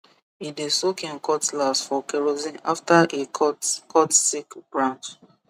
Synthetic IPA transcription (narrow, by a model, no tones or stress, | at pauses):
idesokẽnkɔtlasfɔkeɹozĩnaftaʔekʰɔtsikb̥ɹãnt͡ʃ